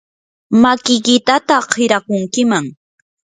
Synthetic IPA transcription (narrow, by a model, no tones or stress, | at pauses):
makɪjkɪt̪at̪ahɪɾakʊŋkɪmaŋ